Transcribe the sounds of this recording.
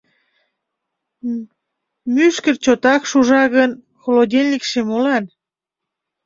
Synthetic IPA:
myʃkərt͡ɕot̪ɑkʃuʒɑɣən | xolodʲelʲnʲikʃemolɑn

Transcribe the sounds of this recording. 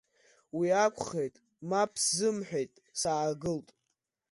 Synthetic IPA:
wiakʷʰʼχejtʼ | mapʰzɨmħʷᶣejtʼsaːɡɨltʼ

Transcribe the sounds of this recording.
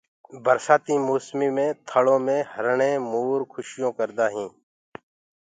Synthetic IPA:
bəɾsaːt̪ĩːmoːsmiːmẽːt̪ʰəɭõːmẽːhəɾɳẽːmuːɾkʰʊʃɪjõːkəɾd̪aːɦĩː

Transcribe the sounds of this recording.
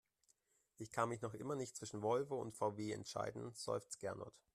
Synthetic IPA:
ʔɪçkʰanmɪçnɔχʔɪ̰mɐnɪçtt͡sv̥ɪʃn̩vɔlvəʊ̰ntfaʊveːɛ̰ntʃa̰ɪdn̩z̥ɔ̰ʏft͡sɡ̥ɛɐnɔ̰t

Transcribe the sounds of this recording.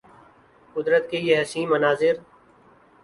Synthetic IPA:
kʊd̪ɾət̪keːjeɦɛsĩːmənaːzɪɾ

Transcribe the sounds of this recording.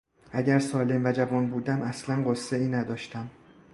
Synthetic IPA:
ʔæɟæɾsɒːle̞mvæd͡ʒævɒːnbuːd̪æmʔæslænɢosːeiːnæd̪ɒːʃt̪æm

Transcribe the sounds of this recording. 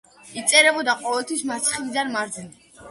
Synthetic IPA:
it̪sʼɛɾɛbɔd̪aqʼɔvɛlˠt̪ʰwismaɾt̪sʰχilid̪anmaɾd̪ɛni

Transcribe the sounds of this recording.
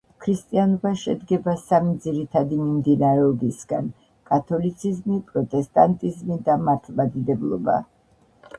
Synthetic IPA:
kʰɾist̪ʼianɔbaʃɛd̪ɡɛbasamid̪ziɾit̪ʰad̪imimd̪inaɾɛɔbisɡa̰n | kʼat̪ʰɔlit̪sʰizmipʼɾɔt̪ʼɛst̪ʼant̪ʼizmid̪amaɾt̪ʰmad̪id̪ɛblˠɔ̰ba̰

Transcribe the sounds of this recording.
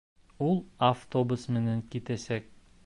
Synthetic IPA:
ulˠaft̪obusmɘ̆næŋkit̪æsæk̚

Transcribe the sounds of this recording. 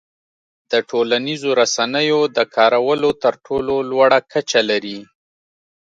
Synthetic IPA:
d̪̥əʈʰolanizoɾasanəjod̪əkʰɑɾawəlot̪əɾʈʰololwaɽakat͡ʃalaɾi

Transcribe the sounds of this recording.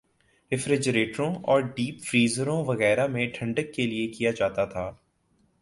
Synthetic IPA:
ɪfɾɪd͡ʒɾeːʈəɾõɔːɾɖiːpfɾiːzəɾõʋɐɣɛːɾamẽʈʰɐ̃ɳɖəkːeliekijad͡ʒaːt̪at̪ʰaː

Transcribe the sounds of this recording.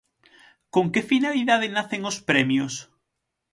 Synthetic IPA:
koŋkefinaliðað̞ɪnaθeŋospɾɛmjos

